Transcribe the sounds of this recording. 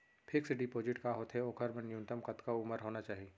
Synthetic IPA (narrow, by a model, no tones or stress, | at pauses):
pʰɪkseɖɪpoːd͡ʒɪʈkaɦoːt̪ɦeoːkʰəɾmɐ̃njũnt̪əmkɐt̪kaʊməɾɦoːnat͡ʃaːɦieː